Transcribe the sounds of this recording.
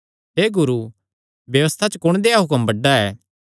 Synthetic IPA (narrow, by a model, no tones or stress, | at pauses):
ɦeːɡʊɾu | bjɐʋəst̪ʰat͡ʃəkʊɽ̃d̪eːaɦʊkəmbɐɖːaɛː